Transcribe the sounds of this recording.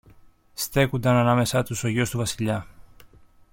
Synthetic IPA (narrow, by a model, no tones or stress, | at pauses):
st̪e̞kund̪ɐnɐnɐme̞sɐt̪uso̞ʝo̞st̪uvɐsiʎɐ